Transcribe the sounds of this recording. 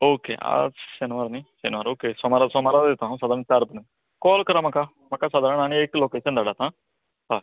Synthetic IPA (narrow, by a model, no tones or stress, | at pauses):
oːkḛːa̰senʋaːɾniːsenʋaːɾoːkeːsɔmaɾasɔmaːɾaɪt̪ãːɦsaːd̪aɾə̃nt͡ʃaːɾbənən | kɔːlkəɾaːmãkaː | mɐkaːsaːd̪aɾənaːniekloːkeːsənd̪aːɽaːt̪ãː | ɦa